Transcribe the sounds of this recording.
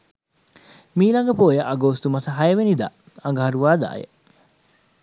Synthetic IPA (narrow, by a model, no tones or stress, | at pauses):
miːlɐŋɡɐpoːjəʔɐɡoːst̪umɐsɐɦɐjɐʋenid̪a̰ː | ɐŋɡəɦɐɾuʋaːd̪a̰ːjḛ